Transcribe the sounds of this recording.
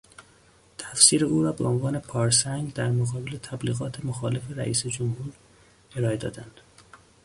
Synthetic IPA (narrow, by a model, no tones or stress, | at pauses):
t̪ʰæfsiːɾeuːɾɒːbeʔo̞nvɒːne̞pʰɒːɾsæŋɡd̪æɾmoɣɒːbele̞t̪ʰæbliːɣɒːt̪ʰe̞moxɒːle̞feɾæ̰ʔḭːsed͡ʒomhuːɾ | e̞ɾɒːe̞d̪ɒ̰ːd̪ænd̪̥